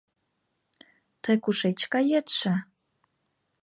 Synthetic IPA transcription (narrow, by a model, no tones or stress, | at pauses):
t̪əjkuʃet͡ɕkɑjet̪ʃə